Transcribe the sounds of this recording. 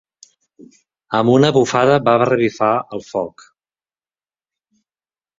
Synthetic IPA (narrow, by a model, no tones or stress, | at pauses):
əmunəβufaðəbaβrəβifaəlˠfɔk